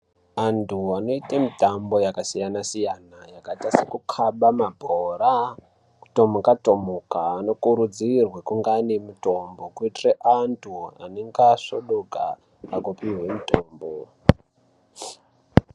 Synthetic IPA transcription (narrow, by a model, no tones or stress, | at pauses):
antʰuano̞itamitambo̞jakasijanasijanajakatasekukʰaɓamabʱora | ku̥to̞mukatomukaːno̞kuɾud͡zirwekuŋɡanemuto̞mbo̞kuitireʔantʰua̰neŋɡaʂoɗoka | aɡopiwemutoːmbo